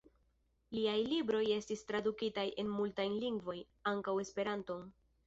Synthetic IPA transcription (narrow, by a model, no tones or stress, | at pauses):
liajlibɾo̞je̞stistɾadukitaje̞nmultajliŋɡvo̞j | aŋkawe̞spe̞ɾanto̞n